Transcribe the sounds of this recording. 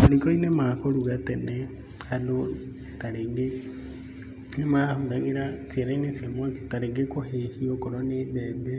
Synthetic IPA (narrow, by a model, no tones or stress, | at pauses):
maɾikɔinemakoɾuɣatɛnɛ | ano | taɾeŋɡe | nemahuŋɡaŋɡeɾat͡siɛɾainesiamwaketaɾeŋɡekohehiɔkoɾɔnedɛde